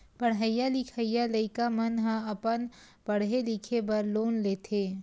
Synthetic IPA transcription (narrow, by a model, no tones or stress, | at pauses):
pəɽɦəjalikʰəjːaləɪkamɐnɦɐ̃ɐpən | bɐɽɦelɪkʰebɐɾloːnleːt̪ʰeː